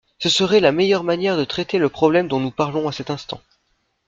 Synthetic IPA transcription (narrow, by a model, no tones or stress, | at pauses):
səsəʁɛlamejœʁmanjɛʁd̪ət̪χɛt̪eləpχɔblɛmd̪ɔ̃nupaʁlɔ̃asɛt̪ɛ̃st̪ɑ̰̃